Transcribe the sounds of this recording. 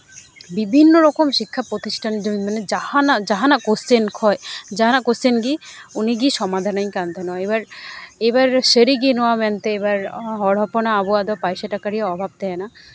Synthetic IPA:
bibʱinːoɾɔkomʃikʰːapɾot̪iʃʈʰand͡ʒoimaned͡ʑahanad͡ʒaɦanakosenkʰɔed͡ʒaɦanakosenɡi | uniɡiʃɔmad̪ʱanaj̃kant̪enɔaebaɾebaɾʃeɾiɡinɔamɛnt̪eebaɾɦɔɽ̤ɔpɔnaːbɔad̪ɔapajʃaʈakaɾiaɔbʱab̚d̪ɛena

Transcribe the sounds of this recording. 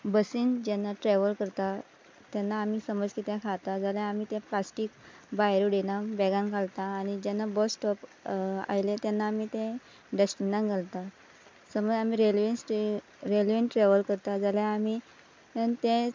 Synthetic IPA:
bəsiːnd͡ʑɛnːaʈɾɛʋəlkəɾt̪a | t̪ɛnːaːmiːsəməd͡zkit̪jãkʰat̪ad͡zalãamiːt̪ɛ̃plasʈiːk | baɦɾuɖenabɛɡankʰalt̪aːñid͡ʑɛnːabɔsʈɔpa̰jlẽt̪ɛnːaːmiːt̪ẽ | ɖesʈinãŋɡʱalt̪a | səməd͡zamiːɾelʋənsʈ | ɾelʋeɳʈʈɾeʋəlkəɾt̪ad͡zaljaami | ənt̪ẽ

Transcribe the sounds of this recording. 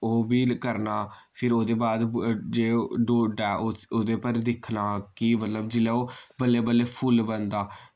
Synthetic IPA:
oːbiːkəɾnaː | pʰɪɾoːd̪eːbaːd̪d͡ʒeːɖoːɖɛːooːd̪eːpəɾd̪ɪkʰnaːkɪmət̪ləbd͡ʒɪlɛːoːbəlːeːbəlːeːpʰʊlbənd̪aː

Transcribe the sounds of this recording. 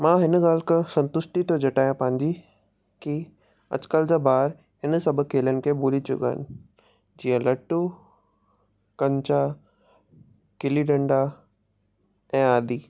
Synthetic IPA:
mãːɦɪnɠaːl̤kəsɐ̃nt̪ʊsʈit̪ʰod͡ʑɐʈaːjãpɐ̃ɦɪ̃ɲd͡ʑi | ki | ɐ̰t͡ɕɪ̥kəld͡ʑaːbaːɾ | ɦɪnsɐbʱʊ̆kʰːeːljənɪ̆kʰeːboːlit͡ɕʊ̰kaːɪ̰nɪ | d͡ʑiːə̃lɐʈu | kɐ̃ɲt͡ɕa | kɪliɖɐ̃ɳɖa | ɛ̃ːaːd̪iː

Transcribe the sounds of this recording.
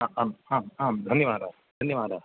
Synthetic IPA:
aaːmaːmaːmd̪ʱɐnjɐʋaːɾaː | d̪ʱɐnjɐʋaːdaː

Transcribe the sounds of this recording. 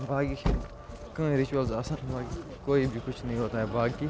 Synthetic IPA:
bʱaːɡikː | kə̃ːɾɪt͡ʃuəlzɐsãnbʱaːɡi | koːibʱikʊt͡ʃʰnəɦĩɦoːt̪aːɦɛːbʱaːɡkiː

